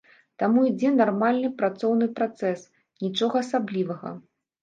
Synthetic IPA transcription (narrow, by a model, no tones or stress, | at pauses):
t̪amuid͡zʲɛnarmalʲnɨpɾat̪sɔwnɨpɾat̪sɛs | nʲit͡ʂɔɣɐasablʲivɐɣɐ̰